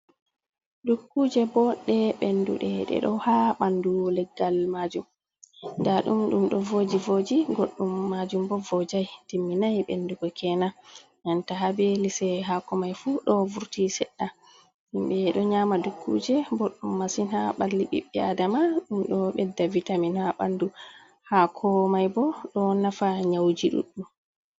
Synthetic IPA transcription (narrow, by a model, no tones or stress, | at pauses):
dukːud͡ʒɛbɔɗɛɓendṵɗɛɗɛ̰ɗɔhaɓandulɛɡːalmad͡ʒum | ndaɗumɗumɗɔvoːd͡ʒivod͡ʒiɡoɗːumːad͡ʒumbɔvɔd͡ʒajtimːinajɓḛnːduɡɔkʰɛna | ŋantaɦabɛlisɛɦakɔmajfuɗɔvuɾtisɛɗːa | himɓɛɗɔɲaːmadukʰːud͡ʒɛboɗːumːasinhaɓalːiɓḭɓːɛadamaɗumɗɔɓɛdːavitaminhaɓa̰ndu | hakʰɔmajbɔɗɔnafaɲawd͡ʒiɗṵɗːum